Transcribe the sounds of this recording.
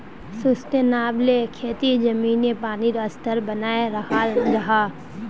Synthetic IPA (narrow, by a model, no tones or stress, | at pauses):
sʊst̪enaːblekʰeːt̪id͡ʒɐmiːnepaːniɾɐst̪əɾbɐnaːeɾɐhaːlɾɐɦaː